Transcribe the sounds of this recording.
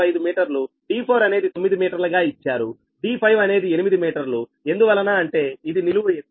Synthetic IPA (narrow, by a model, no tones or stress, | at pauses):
ɐjd̪umiːʈɐɾlu | ɖiːpʰoːɾɐne̞ːd̪it̪o̞mːid̪imiːʈɐɾlɐɡaːit͡ʃːaːɾu | ɖiːpʰɐjʋɐne̞ːd̪ie̞nimid̪imiːʈɐɾlue̞nd̪uʋɐlːɐnaːɐɳʈe̞ːid̪iniluue